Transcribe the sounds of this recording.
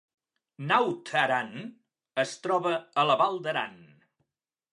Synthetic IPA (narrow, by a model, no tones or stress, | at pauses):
nawt̪ʰəɾan | əst̪ɾɔβəələβalˠd̪əɾa̰n